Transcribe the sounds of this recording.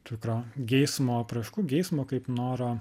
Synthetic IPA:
t̪ɪkɾoːɡʲɛɪsmoːɐpɾɐʃkuːɡʲɛɪsmoːkɐɪpnoːɾoː

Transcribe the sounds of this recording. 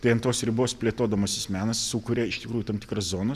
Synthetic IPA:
t̪ɐɪɐnt̪oːsɾʲɪboːspʲlʲeːt̪oːd̪ɐmoːsʲɪsmʲæːnɐssukʊɾʲeɪʃt̪ʲɪkɾuːjʊt̪ɐmt̪ʲɪkɾɐszoːnɐs

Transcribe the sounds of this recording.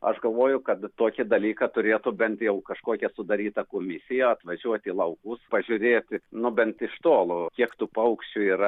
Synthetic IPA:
ɐ̰ʃɡɐlˠʋoːjʊkɐt̪t̪oːkʲɪd̪ɐlʲiːkɑt̪ʊɾʲeːt̪ʊbʲɛnt̪jɛʊkɐʃkoːkʲɛsʊd̪ɐɾʲiːt̪ɐkoːmʲɪsʲɪjɛɐt̪ʋɐʒʲuɔt̪ʲiːlˠɐʊkʊspɐʒʲʊɾʲeːt̪ʲɪnʊbʲɛnt̪ɪʃt̪oːlˠʊkʲiɛkt̪uːpɐʊkʃʲt͡ʃʲʊiːɾɐ

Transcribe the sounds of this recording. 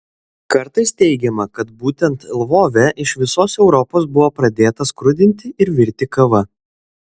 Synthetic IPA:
kɐɾt̪ɐɪst̪ʲɛɪɡʲɛmɐkɐt̪̚buːt̪ʲɛnt̪lˠʋoːʋʲɛʔɪʃʋʲɪsoːsɛʊɾɔpoːs̬bʊʋoːpɾɐd̪ʲeːt̪ɐskɾʊd̪ʲɪnʲt̪ʲɪʔɪɾʋʲɪɾʲt̪ʲɪkɐʋɐ

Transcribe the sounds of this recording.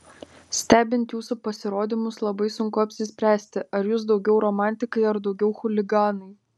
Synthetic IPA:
sʲt̪ʲæːbʲɪnʲt̪ʲjuːsupɐsʲɪɾoːd̪ʲimʊslˠɐbɐɪsʊŋkʊɐpʲsʲɪsʲpʲɾʲæːsʲt̪ʲɪɐɾjuːsd̪ɒʊɡʲɛʊɾɔːmɑˑnʲt̪ʲɪkɐɪɐɾd̪ɒʊɡʲɛʊxʊlʲɪɡɑːnɐɪ

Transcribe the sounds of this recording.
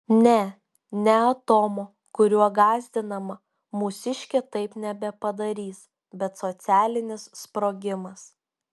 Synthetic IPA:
nʲɛ | nʲɛɐt̪oːmoː | kʊɾʲuɔɡɑːzʲd̪ʲɪnɐmɐ | mʊsʲɪʃʲkʲɛt̪ɐɪpnʲɛbʲɛpɐd̪ɐɾʲiːs | bʲɛt̪sot̪sʲæːlʲɪnʲɪsspɾoːɡʲɪmɐs

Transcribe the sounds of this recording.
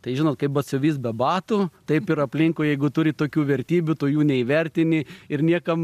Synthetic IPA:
t̪ɐɪʒʲɪnoːt̪̚kɐɪpbɐt̪sʲʊʋʲiːsbʲɛbɑːt̪ut̪ɐɪpɪɾɐpʲlʲɪŋkoːjɛɪɡʊt̪ʊɾʲɪt̪oːkʲuːʋʲɛɾʲt̪ʲiːbʲʊt̪oːjuːnʲɛiʋʲɛɾʲt̪ʲɪnʲɪɪrnʲiɛkɐm

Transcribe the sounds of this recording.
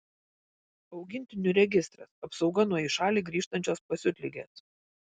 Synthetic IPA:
ɒʊɡʲɪnʲt̪ʲɪnʲʊɾʲɛɡʲɪst̪ɾɐsɐpsɒʊɡɐnuɔiʃɑːlʲiːɡɾʲiːʃt̪ɐnʲt͡ʃʲoːspɐsʲʊt̪ʲlʲɪɡʲḛːs

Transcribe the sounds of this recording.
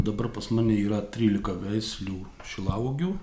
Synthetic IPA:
d̪ɐbɐɾpɐsmɑːnʲeiːɾɐt̪ʲɾʲiːlʲɪkɐʋʲɛɪsʲlʲuː | ʃʲɪlˠɐʊɡʲuː

